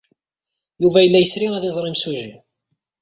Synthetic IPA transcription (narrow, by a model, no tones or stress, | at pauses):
juvæjəlːæjəsɾiæðɪzˤɾˤɪmsuʒi